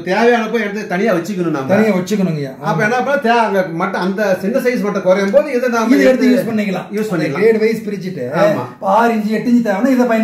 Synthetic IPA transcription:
t̪eːʋɛjaːnɐpːoːjɛɽɐt̪ːɯt̪ɐnɪjaːʋɐt͡ʃːɯkːɐnʊ̃na̰ːmɐt̪ɐnɪjaːʋɐt͡ʃːɯk̬ːɐnɯŋɡɐja̰ːɐpːõːɛnːaːɐp̬ːɐːnːat̪ːmɐʈːɐ̃ɐnd̪ɐsɪnd̪ɐsɐɪs̬mɐʈːɐ̃kɔɾɐjɯmpoːðɯɪðɛnãːɐðɯɐɽɯt̪ːɯjuːspɐɳːɪŋkːɐlã̰ːjuːspɐɳːɪkɐlɾeːɖʋɐɪspɪɾɪt͡ʃːɪʈːɯaːma̰ːaːɾɪɲd͡ʒɯɛʈːɪɲd͡ʒɯt̪ɐaːnãɪðɐpɐɪn

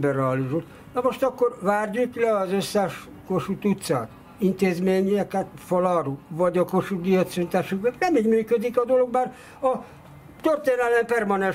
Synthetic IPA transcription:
bɛrɛɒliʒut̪ | nɒmo̞ʃt̪ɒkːo̞rʋaːrjuklɛɒzøsːɛʃ | ko̞ʃut̪ut̪sa̰ːt̪ | int̪eːzmeːɲiɛkɛt̪folɒɾuvɒɟɒko̞ʃuɡiøt̪synt̪aːʃukmɛnɛmiːɟmyːkød̪ikɒd̪o̞lo̞ɡmaːr | ɒ | t̪ørt̪eːnɛlɛmpɛrmɒnɛn

